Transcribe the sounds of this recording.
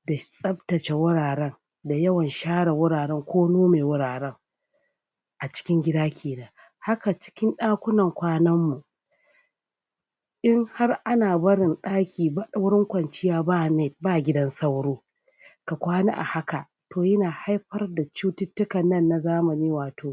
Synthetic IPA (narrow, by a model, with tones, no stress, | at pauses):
da˨sʼɐ˦btɐ˨t͡ʃe˨wʊ˦ɽaː˨ɾɛ˦ŋ | da˨jɐ˦wɐ˨nʃaː˦ɽa˨wʊ˦ɽaː˨ɾɛ˦ŋkʷʰoː˦noː˦meː˨wʊ˦ɽaː˨ɾɛ˦ŋ | ʔa˨t͡ʃɪ̥˦kʲɪ˦ŋɡʲɪ˦daː˦kʲʰeː˨naː˦ | ha˦ka˨t͡ʃɪ̥˦kʲɪ˦nɗaː˦kʷʊ˦nɐ˨ŋkʷaː˦nɐ˦mːu˨ | ʔɪ˦ŋha˦rʔa˦naː˨bɐ˦ɽɪ˨nɗaː˦kʲʰiː˨ba˦ɗa˦wɽɪ˦ŋkʷɐ˨nt͡ʃɪ˦jaː˦baː˦˨ne˦˨baː˦ɡʲɪ˦dɐ˦nsa˦wɽoː˦ | ka˨kʷaː˦na˦ʔa̰˨ha˦ka˨ | tʰoː˨jɪ˦naː˨ha˦jɸɐ˦rda˨t͡ʃuː˦tɪ˦tːʊ˦kɐ˨nːɐ˦nːa˨zaː˦mɐ˨niː˦waː˨tʰoː˨